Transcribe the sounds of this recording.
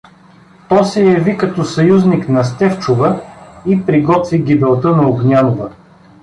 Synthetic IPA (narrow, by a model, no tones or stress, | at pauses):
t̪ɔjsɛjɐvikɐt̪ɔsɐjuzniknɐst̪ɛft͡ʃʊvəipɾiɡɔt̪viɡʲibɛlˠt̪ənɐoɡnʲanʊvə